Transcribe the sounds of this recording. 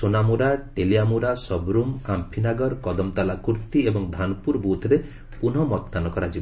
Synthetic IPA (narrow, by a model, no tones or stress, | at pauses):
onamuɾaʈelijamuɾasɔbɾumampʰinaɡɔɾkɔd̪ɔmt̪alakuɾt̪iebɔŋd̪ʱanɔpuɾbut̪ʰɾe | pun̤ɔmɔt̪kanɔkɔɾad͡ʒib